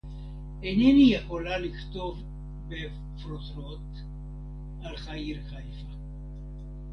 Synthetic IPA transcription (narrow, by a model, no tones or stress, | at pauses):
enenijeχolaliχt̪o̞v | be | fɾot̪ɾot̪ | ʔalχaiɾχajfa